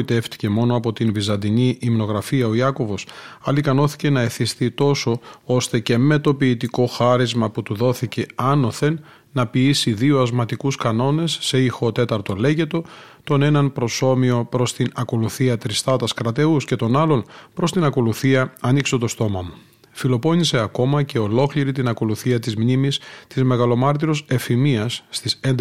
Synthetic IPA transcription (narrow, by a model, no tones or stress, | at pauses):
it̪e̞ft̪i̥ce̞mo̞noɐpo̞t̪invizɐnd̪iɲiʔimno̞ɣɾɐfiɐo̞iɐko̞vo̞sɐ̰likɐno̞θi̥ce̞nɐeθist̪it̪o̞so̞o̞st̪e̞ce̞me̞t̪o̞piːt̪iko̞xɐɾizmɐput̪uðo̞θice̞ɐno̞θe̞nː | ɐpiisiðio̞ɐzmɐt̪ikuskɐno̞ne̞sːe̞ixo̞t̪e̞t̪ɐɾt̪o̞le̞ʝe̞t̪o̞ | t̪o̞ne̞nɐnpɾo̞so̞mio̞pɾo̞st̪inɐko̞luθiɐt̪ɾist̪ɐt̪ɐskɾɐt̪e̞usce̞t̪o̞nɐlo̞npɾo̞st̪inɐko̞luθiɐɐniksot̪o̞st̪o̞mɐmu | filo̞po̞ɲise̞ɐko̞mɐce̞o̞lo̞kliɾit̪inɐko̞luθiɐt̪izmɲimist̪izme̞ɣɐlo̞mɐɾt̪iɾo̞se̞fimiɐsːt̪isend̪